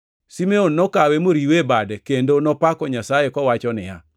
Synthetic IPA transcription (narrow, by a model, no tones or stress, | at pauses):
simeonːɔkawemoɾiwebadkendonɔpakɔɲasajekɔwat͡ʃɔnɪja̰